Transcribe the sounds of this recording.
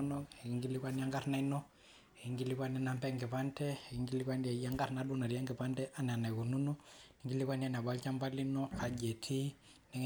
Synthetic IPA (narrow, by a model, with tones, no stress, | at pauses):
nɔ˦e˨i˦ŋɡi˦li˦kwa˦ni˦a˦ŋɡa˦ɾna˦i˦nɔ˦ | e˨i˨ŋɡi˦li˦kwa˦nɛ˦na˦mpɛ˦ŋɡɛ˨pa˦ntɛ˦˨i˦ŋɡi˦li˦kwa˦ndi˦a˨ja˦ŋɡa˦ɾna˦du˦na˨ɾi˨a˦ŋɡi˨pa˦ntɛ˦ʔa˦n˨a˨na˨ku˨nu˦nu˦ni˨ŋɡi˦li˦kwa˦ni˦a˨nɛ˨a˨ba˦lt͡ʃa˦mba˦li˦nɔ˦a˨d͡ʒe˨tʰi˦ | nɛ˦ŋ